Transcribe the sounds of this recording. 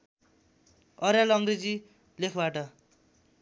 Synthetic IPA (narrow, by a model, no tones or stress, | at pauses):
ʌɾjalʌŋred͡zi | lekʰbaʈʌ